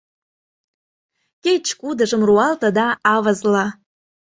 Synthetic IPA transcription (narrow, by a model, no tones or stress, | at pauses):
ket͡ɕkud̪ə̆ʒə̆mruɑlt̪əd̪ɑɑvəzlɑ